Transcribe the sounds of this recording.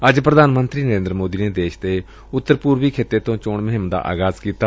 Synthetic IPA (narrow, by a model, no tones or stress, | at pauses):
əd͡ʒpɾəd̪ʱaːnmə̃nt̪ɾiːnəɾẽːnd̪ɾəmoːd̪iːneːd̪eːʃt̪eː | ʊt̪ːəɾpuːɾʋiːkʰeːt̪et̪õːt͡ʃoːɳməɦɪmd̪a̰ːʔa̰ːɡaːzkiːt̪aː